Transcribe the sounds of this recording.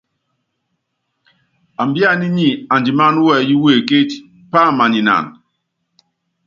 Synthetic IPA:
a˨mbja˦˨ni˦ɲi˦˨a˨nd͡ʒi˨ma˦n˦wɛ˦˨ji˦we˦˨ke˦t͡ʃ | pa˦˨ma˨ɲi˨na̰˨n

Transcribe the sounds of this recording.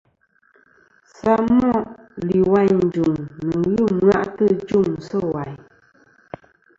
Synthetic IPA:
sa˦mɔ˦˨ʔ | li˨wa˦ɲn̩˨d͡ʒu˨ŋnɨ˨ɣɨ˦˨ma̰˦ʔtɨ˦˨d͡ʒu˦˨ŋ˨sɔ˦wa˨ɲ

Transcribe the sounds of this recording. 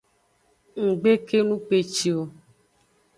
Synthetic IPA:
ŋ̩˨ɡ͡be˦ke˦nũ˦k͡pe˨t͡ʃi˨o˨

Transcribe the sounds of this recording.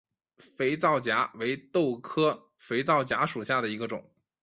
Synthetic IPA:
fe˧˥ɪt͡sɑ˥˩ʊt͡ɕja̰˧˥we˧˥ɪt̪o˥˩ʊkʰɤ˥ | fe˧˥ɪt͡sɑ˥˩ʊt͡ɕja˧˥ʂu˨˩ɕja˥˩d̪ə˩i˧˥ɡə˧ʈ͡ʂʊ̰˨˩˦ŋ

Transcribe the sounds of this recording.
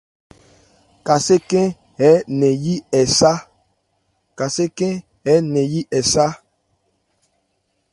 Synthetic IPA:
ka˨se˦kɛ̃˦ | hɛ˨˦nɛ̃˨ji˦ɛ˨sa˦ | ka˨se˦kɛ̃˦ | ɛ˨˦nɛ̃˨ji˦ʔɛ˨sa˦

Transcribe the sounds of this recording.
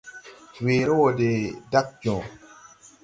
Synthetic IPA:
weː˨ɾo˦wo˨de˨da˦k̚d͡ʒɔ̃˨

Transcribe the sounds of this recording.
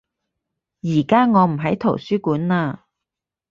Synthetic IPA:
jiː˨˩kaː˥ŋɔː˨˧m̩˨˩ɦɐ˨˥jt̪ʰo˨˩wsyː˥kuː˨˥nlaː˧

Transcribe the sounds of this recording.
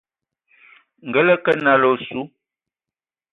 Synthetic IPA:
ŋ̩˨ɡə˦lə˦kə˦na˨lo˨su˦

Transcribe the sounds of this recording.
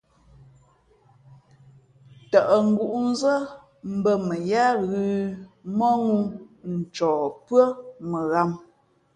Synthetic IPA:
tə˨ʔə˨ŋ̩˦˨ɡu˨ʔu˦n˦zə˦ | m̩˨˦bə˦˨mə˨ja˦ɣʉː˦mɔ˦ŋu˦n̩˨t͡ʃɔː˨pɰə˦mə˨ɣa˦˨m

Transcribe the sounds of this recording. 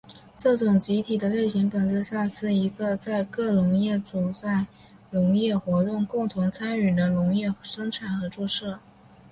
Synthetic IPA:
ʈ͡ʂɤ˥˩ʈ͡ʂʊ˨˩ŋt͡ɕi˧˥t̪ʰi˨˩d̪ə˦le˥˩ɪɕi˧˥ŋpə˨˩nt͡sɹ̩˥˧sa˥˧nsɹ̩˥˩i˧˥ɡə˧t͡sa˥˧ɪkɤ˥˩lʊ˧˥ŋjɛ˥˩ʈ͡ʂu˨˩t͡sa˥˩ɪ | lʊ˧˥ŋjɛ˥˩xwɔ˧˥t̪ʊ˥˧ŋkʊ˥˩ŋt̪ʰʊ˧˥ŋt͡sʰa˥ny˨˩d̪ə˦lʊ˧˥ŋjɛ˥˩ʂɤ˥ŋʈ͡ʂʰa˨˩nxɤ˧˥ʈ͡ʂu˥˧ʂɤ˥˩

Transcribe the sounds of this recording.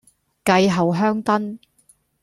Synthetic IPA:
kɐ˧jɦɐ˨wɦœː˥ŋt̪ɐ˥n

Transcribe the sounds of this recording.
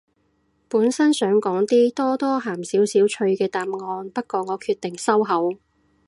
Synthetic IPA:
puː˨˥nsɐ˥nsœː˨˥ŋkɔː˨˥ŋt̪iː˥t̪ɔː˥t̪ɔː˥ɦaː˨˩msiː˨˥wsiː˨˥wt͡ʃʰɵ˧ɥkɛː˧t̪aː˨mŋɔː˧npɐ˥t̚kɔː˨˧ŋɔː˨˧kʰyː˧t̪ːɪ˨ŋsɐ˥wɦɐ˨˥w

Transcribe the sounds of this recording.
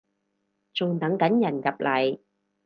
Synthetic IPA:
t͡sʊ˨˧ŋt̪ɐ˨˧˥ŋkɐ˨˥njɐ˨˩njɐ˨˩p̚lɐ˨˩j

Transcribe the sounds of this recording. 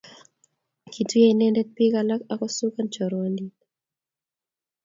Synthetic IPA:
kʰi˨tu˦je˦i˦nɛ˦ndɛ˦t̚pi˦ka˨la˦ka˦kɔ˦su˦ka˦nt͡ʃɔ˨ɾandi

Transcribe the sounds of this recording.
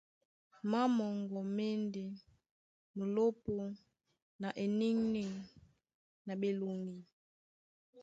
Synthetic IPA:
ma˦mɔ˨ŋɡɔ˨me˦nde˨ | mo˨lo˦po˦ | na˨ʔe˨ni˦ŋni˦ | na˨be˨lu˨ŋɡi˨

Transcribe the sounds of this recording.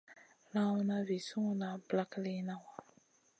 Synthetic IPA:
lã˦wna˦vi˨su˦ŋ˦na˨bla˦kli˦nã˦wa˨

